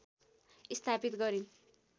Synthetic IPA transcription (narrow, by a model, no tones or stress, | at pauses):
ist̪ʰapit̪ɡʌɾin